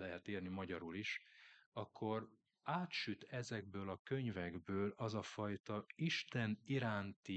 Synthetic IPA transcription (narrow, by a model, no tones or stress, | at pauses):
lɛɦɛt̪eːrnimɒɟɒɾuliʃɒkʰːo̞r | aːt̪ʃyt̪ʰɛzɛɡ̚bøːlɒkø̞ɲvɛɡbøːlɒzɒfɒjt̪ɒiʃt̪ɛniɾaːnt̪i